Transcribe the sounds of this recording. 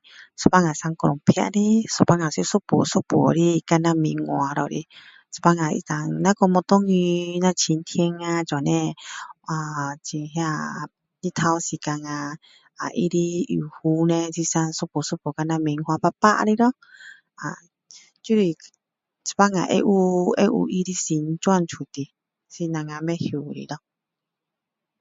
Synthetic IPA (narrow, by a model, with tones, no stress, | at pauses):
so˧pa˦ŋã˨sa˧ŋkɔ˧ɾɔ˨ŋpʰja̰˧ʔɾi˦so˨pa˧ŋã˨si˧˦so˦pṵ˨so˦pu˨o̰˨ɾi˧ka˧nã˧mĩ˨˧ŋo˧˨a˧ɾɔ˧˨˧ɾḭ˧ | sɔ̥˧pa˧ŋã˨ḭ˧t̪a˨ŋnã˦kɔ˧mɔ̃˧t̪o˦ŋi˧nã˧t͡ʃʰi˨˧nt̪ʰi˦e˧ŋã˧t͡ʃa˨nẽ˧a˨t͡ʃi˨ɦe˧a˧ | nĩ˧t̪ʰa˧o˧si˧˨ka˧ŋã˧ | a˨ʔḭ˧˦ɾi˧ḭ˨hu˧˦nẽ˧t͡si˧sã˧n˧so˦po˨su˦po˨ka˧nã˧mẽ˨˧ŋhwã˧pa˧pa˦ʔɾi˧ɾɔ˦ | a˨ | t͡ʃu˦ɾi˧ | t͡spa˦ŋã̰˧˨ʔḛ˦˧ʔu˧˦ḛ˦ʔṵ˧ʔi˧ɾi˧si˨n˦t͡ʃa˦˧˨nt͡ʃʰu˨t̪i˧ | si˧nã˧ŋã˧mẽ˦hju˨ɾḭ˧˨ɾɔ˦